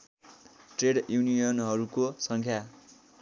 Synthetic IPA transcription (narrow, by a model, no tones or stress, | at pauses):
ʈreɽjunijʌnɦʌɾukosʌŋkʰja